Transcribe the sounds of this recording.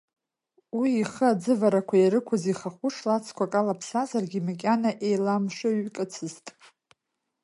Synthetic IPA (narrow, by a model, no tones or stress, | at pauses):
wiːχəad͡zɨvaɾakʷʰajaɾɨkʷʰaziχaχʷʊʂʰlat͡sʰkʷakʼalapʰsazarɡʲimakʲʼanaʔe̞jlamʃʷɨɥkʼɨt͡sʰɨztʼ